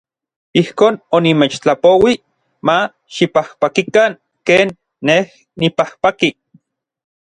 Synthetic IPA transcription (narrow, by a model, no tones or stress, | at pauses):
ihkoːnonimeːt͡ʃt͡ɬapowi | ma | ʃipahpakikaŋ | keːnː | eh | nipahpaki